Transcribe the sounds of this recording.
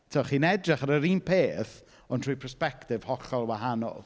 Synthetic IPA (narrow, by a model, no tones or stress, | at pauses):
tʰɔχiːnɛdrɪχaɾəɾiːnpʰeːθ | ɔntʰruːjpʰərspɛktɪv̥hɔɬɔlˠwaɦanɔ̰lˠ